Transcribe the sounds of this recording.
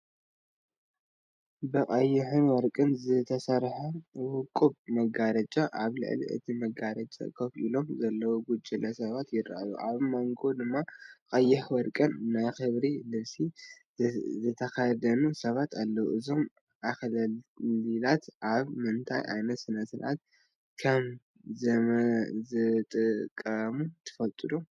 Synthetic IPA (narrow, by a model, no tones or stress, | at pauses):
bɨkʼɐjːɪħɨnwɔɾkʼɨnzɨt̪ʰɐsɐɾħɐwʊkʼːubmɐɡaɾɐt͡ʃʼaʔaβlɨ̰ʕlḭʔɨ̰t̪ʰimɐɡaɾɐt͡ʃʼa̰kʰɐkʔilo̞mzɐlːɐwoɡud͡ʒʼilɐsɐβat̪jɪrajṵʔaβmaŋɡo̞d̪ɨmːaqʼɐjːɪħwɔɾkʼɨnːajxɨβɾilɨβsi | zɨt̪ʰɐkajɐd̪ɐnusɐβat̪ʰalːɐwuʔɨzo̞m | ʔaxlɐlilat̪ʔaβmɨnt̪ʰa̰jʔa̰jnɐt̪sɨnɐsɨlʔa̰t̪̚ | kʰɐm | z | zɨt̪ʼɨkʼːɐmut̪ʰɨ̥fɐlt̪ʼɨd̪om